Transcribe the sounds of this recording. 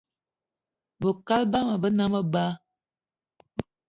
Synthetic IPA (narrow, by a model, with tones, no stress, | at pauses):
bə˨ka˦lba˦ma˨bə˦na˦mə˦ba˦